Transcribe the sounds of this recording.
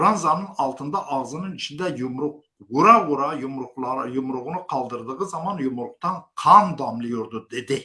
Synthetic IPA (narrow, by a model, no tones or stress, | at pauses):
ʊɾɑnzɑnːənɑlˠt̪ənd̪ɑʔɑʁzənəɴɪt͡ʃɪnd̪æjʊmɾʊq | wuɾɑwʊɾɑjʊmqˠɑjʊmɾʊʁənəqʰɑlˠd̪əɾd̪əʁəzɑmɑnjʊmɾʊq̚t̪ɑɴqʰɑnd̪ɑmlˠɪjʊɾd̪ʊd̪ed̪ɪ